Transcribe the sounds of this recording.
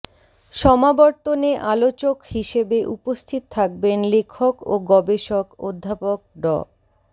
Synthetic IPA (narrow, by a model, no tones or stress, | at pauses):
ʃɔmabɔɾt̪oneʔalot͡ɕokhiʃebeʔupost̪ʰit̪ot̪ʰak̚benlekʰokoɡɔbeʃoko̰d̪ʱːapok̚ɖɔ̰